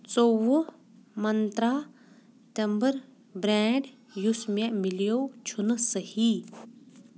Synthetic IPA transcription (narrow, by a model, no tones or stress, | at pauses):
t͡sowo | mɐnt̪ɾa | t̪ɐmbəɾ | bɾɛːɳɖ | jusmemiljoːt͡ʃʰunsəhi